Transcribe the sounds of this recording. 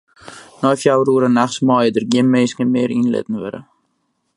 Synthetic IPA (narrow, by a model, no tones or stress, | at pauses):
nɔjfjawruəɾənaχsmɔːjədərɡiənmeːskənmɪːɾinlɪ̰tən̩ʋɪ̰ɾə̰